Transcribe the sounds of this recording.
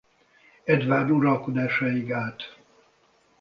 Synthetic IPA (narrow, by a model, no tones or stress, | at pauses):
ɛd̪ʋaːrnuɾɒlkod̪aːʃaiɡaːt̪